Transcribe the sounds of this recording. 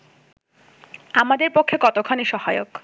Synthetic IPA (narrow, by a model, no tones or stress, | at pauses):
amad̪eɾpokʰːekɔt̪okʰaneʃɔhaeok